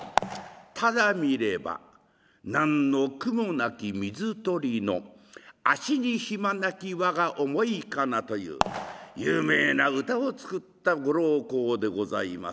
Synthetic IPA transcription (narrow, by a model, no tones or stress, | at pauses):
t̪ʰad̪amʲiɾe̞ba̰ | nãnːo̞kɯ̟monakʲimʲizɨt̪o̞ɾʲino̞̰aɕiɲ̟içimanakʲiβaɡaʔo̞mo̞ikanat̪o̞jɯ̰ːjɯːme̞ːnaɯ̟t̪ao̞t͡sɨ̥kɯ̟t̪ːaɡo̞ɾo̞ːko̞ːd̪e̞ɡo̞za̰ima̰s